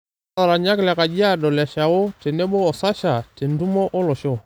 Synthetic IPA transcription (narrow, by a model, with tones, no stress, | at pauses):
a˨ɾa˨ɲa˦kla˨ka˨d͡ʒi˦a˦dɔ˨lɛ˨ʃa˨wo˦tɛ˨nɛ˦ɓɔː˦˨sa˦ʃa˨te˨ndu˦mɔ˦ʔɔ˦lɔ˨ʃɔ˦˨